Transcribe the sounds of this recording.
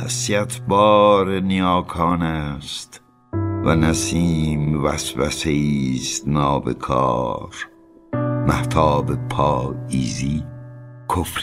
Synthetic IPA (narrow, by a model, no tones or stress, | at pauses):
æsiæt̪ʰbɒːɾenijɒːkʰɑːnæst̪ | vænæsiːmvæsvæseiːst̪nɒːbḛkʰɑ̰ːɾ | mæht̪ʰɒːbepʰɒːiːzi | kʰofɾ